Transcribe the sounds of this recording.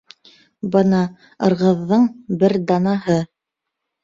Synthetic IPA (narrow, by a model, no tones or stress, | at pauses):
bɤnɑ | ɤ̆ɾʁɤ̆ðːɤɴbɘɾd̪ɑnɑɦɤ